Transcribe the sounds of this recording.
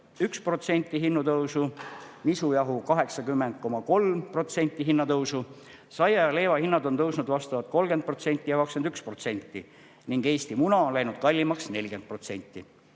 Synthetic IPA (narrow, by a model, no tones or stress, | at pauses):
ykspro̞t̪se̞nʲt̪ːiɦinːut̪ɤwsumisujɑɦukɑɦe̞ksɑkymːend̪̥̚ko̞mɑko̞lmpro̞t̪se̞nʲt̪ˑːiɦinːɑt̪ɤwsu | sɑjɑjɑle̞ːvɑhinːɑd̪o̞nt̪ɤwsnud̪vɑst̪ɑvɑt̪̚ko̞lɡ̥en̚pro̞t̪se̞nʲt̪ːˑijɑkɑkskend̪ykspro̞t̪se̞nʲt̪ːˑi | niŋɡe̞ːst̪imunɑo̞nlæjnud̪̚kɑlʲːimɑksne̞lʲɡ̥e̞n̚pro̞t̪se̞nʲt̪ˑːi